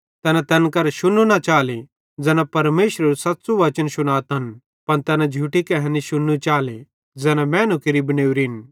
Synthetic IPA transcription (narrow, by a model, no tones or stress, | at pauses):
t̪ɛːnãt̪ɛnkɐɾʃʊnunɐt͡ʃaːle | d͡zɛːnapɐɾmeːʃɾɐɾusɐtːsuʋɐt͡ʃənsʊnaːt̪ɦɐn | pɐnt̪ɛːnãd͡ʒʱuːʈikɛɦɛ̃niʃʊnːut͡ʃaːle | d͡zɛːnamɛ̃ːnukɪɾibɐneːuɾɪn